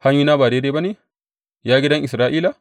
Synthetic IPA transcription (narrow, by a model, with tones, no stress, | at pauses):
ha˦ɲjuː˦naː˦baː˨deː˦deː˦ba˦neː˨ | jaː˦ɡʲi˦dɐ˦ŋʔɪ˨sɾaː˦ʔiː˦la˨